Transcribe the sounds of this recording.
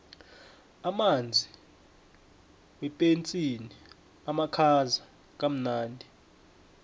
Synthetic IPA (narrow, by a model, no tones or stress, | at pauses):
amand͡zʱi | wɛpʼent͡sʼini | amakʰaza | k̬ʼam̩naːndʱi